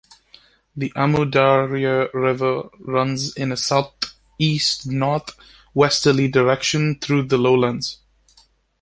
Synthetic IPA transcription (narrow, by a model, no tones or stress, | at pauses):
ðiʔamudaɹiɨɹɪvə˞ɹʌ̃nzɪ̃nɨsaʊθ | istnɔɹθ | wɛstə˞lidəɹɛkʃɨ̃nθɹʉðəloʊlə̃ndz̥